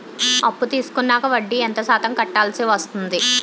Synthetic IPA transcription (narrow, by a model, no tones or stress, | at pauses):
ɐpːut̪iːsu̥kunːaːkɐʋɐɖːient̪ɐsaːt̪ɐmkɐʈːaːlsiʋɐst̪und̪i